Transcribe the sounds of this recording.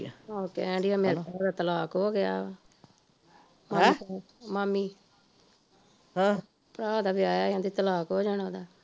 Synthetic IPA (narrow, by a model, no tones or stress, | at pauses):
oːkḛɛ̃ːɳɖijaːmeːɾad̪aːt̪əlaːkɦoːɡɪja̰ː | ma | maːmiː | ã | pəɾaːd̪aːbɪaːjaːɪãːd̪iːt̪əlaːkɦoːd͡ʒəɽãːd̪aː